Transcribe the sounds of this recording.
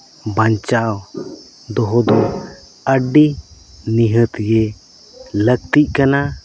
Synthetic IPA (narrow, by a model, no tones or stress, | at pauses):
baɲt͡ʃaw | d̪ɔɦɔd̪ɔ | əɖi | niɦət̪ɡɛ | lək̚t̪iʔ̚kana